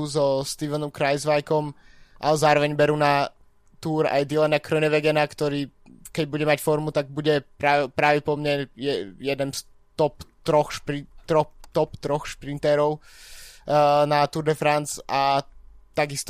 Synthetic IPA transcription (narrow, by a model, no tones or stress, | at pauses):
zɔst̪iʋɛnɔmkɾajzʋajkɔmʔalɛzaːɾɔʋɛɲbɛɾuːna | t̪uːɾa̰jd̪ilɛnakɾɔnɛʋɛɡɛnakt̪ɔɾiː | kɛɟbuɟɛmacfɔɾmut̪aɡ̚buɟɛpɾaʋɛpɾaːʋɛpɔmɲɛjɛjɛd̪ɛns | t̪ɔpt̪ɾɔxʃpɾit̪ɾɔt̪ɔpt̪ɾɔxʃpɾint̪ɛɾɔʊ | nat̪uɾd̪ɛfɾant͡sʔat̪aɡist̪